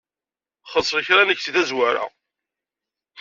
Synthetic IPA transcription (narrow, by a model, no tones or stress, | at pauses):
χəsˤləçɾænəçsiðæzwaɾa̰